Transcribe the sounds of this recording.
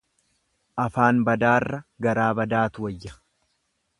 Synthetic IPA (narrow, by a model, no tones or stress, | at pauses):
ʔɐfaːnbɐd̪aːrːɐɡɐɾaːbɐd̪aːt̪ʊwɐjːɐ̥